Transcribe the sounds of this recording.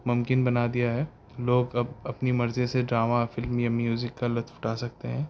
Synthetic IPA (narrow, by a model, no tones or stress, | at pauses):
mʊmkɪnbɐnad̪ijaɦɛː | loːɡɐbɐpnimɐɾzeseɖɾaːmafɪlmjamjuːzɪkːalɐt̪fʈaːsɐk̚t̪eɦɛ̃ː